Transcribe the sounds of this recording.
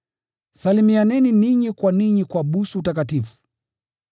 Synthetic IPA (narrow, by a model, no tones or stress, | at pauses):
salimianɛniniɲikwaniɲikwaɓusuutakatifu̥